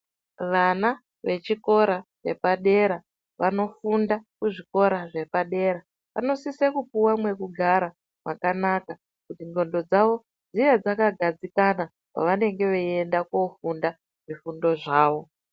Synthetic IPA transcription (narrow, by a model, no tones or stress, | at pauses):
ʋana | ʋe̞t͡ʃiko̞ɾaʋe̞̰paɗe̞ɾa | ʋano̞fundakuʐiko̞ɾaʐe̞paɗe̞ɾa | ʋa̰no̞sisekupuwamwe̞kuɡʱaɾa | mwakanaka | kutinɡo̞ndo̞d͡zaʋo̞ | d͡zijad͡zakaɡʱad͡zikana | pa̰ʋane̞ŋɡe̞ʋeendako̞funda | ʐ̥ifundo̞ʐaːʋo̞